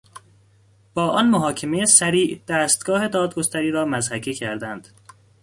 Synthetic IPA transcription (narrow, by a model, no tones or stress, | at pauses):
b̥ɒːʔɒnmoɦɒːcʰemejesæɾiːʔd̪̥æːst̪̚ɡ̥ɒːhe̞d̪ɒːd̪̚ɡo̞st̪ʰæɾiːɾɒːmæzhækʰicʰæɾd̪ænd̪̥